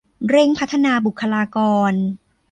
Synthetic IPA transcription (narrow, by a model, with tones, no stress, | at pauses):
ɾe˧ŋpʰa˦˥t̪ʰːa˧naː˧bu˨˩kʰːa˧laː˧kɔː˧n